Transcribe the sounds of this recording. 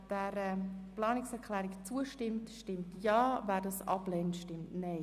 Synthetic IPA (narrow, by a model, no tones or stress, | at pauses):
d̥ɛɾəplɑːnɪksɛɾkʰlɛːɾɪkt͡suəʃtɪmtʃtɪmtjɑːvæːdɑsɑ̰blɛntʃtɪmtnɛɪ